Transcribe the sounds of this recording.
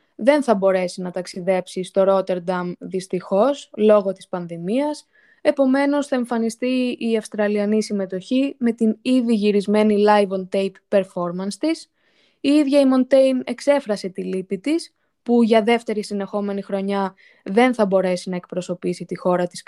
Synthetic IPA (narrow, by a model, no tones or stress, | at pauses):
ðe̞nθɐbo̞ɾe̞sinɐt̪ɐksiðe̞psist̪o̞ɾo̞t̪e̞ɾd̪ɐmðist̪ixo̞slo̞ɣo̞t̪i̥spɐnðimiɐs | e̞po̞me̞no̞sθɐe̞ɱfɐnist̪iiɐfst̪ɾɐliɐnisime̞t̪o̞çime̞t̪iniðiʝiɾizme̞nilɐjvo̞nt̪ejpːe̞ɾfo̞ɾmɐnst̪is | iiðʝɐimo̞nt̪e̞jne̞kse̞fɾɐse̞t̪ilipit̪is | puʝɐðe̞ft̪e̞ɾisine̞xo̞me̞nixɾo̞ɲɐ | ðe̞nθɐbo̞ɾe̞sinɐek̚pɾo̞so̞pisit̪ixo̞ɾɐt̪i̥s